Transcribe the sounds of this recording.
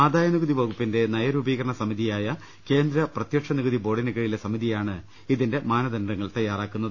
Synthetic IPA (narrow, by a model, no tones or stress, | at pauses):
aːd̪aːjɐnuɣɐðiboɣupːinde̞nɐjɐɾubiːɣɐɾɐɳɐsɐmiðijaːjɐ | ke̞ːnd̪ɾɐprɐt̪jɐkʂɐnuɣɐðibo̞ːɽinɐɣɐɻilesɐmiðijaːɳɨ | iðinde̞maːnɐd̪ɐnɖɐŋːɐɭt̪ɐjːaːraːkːunːɐðɨ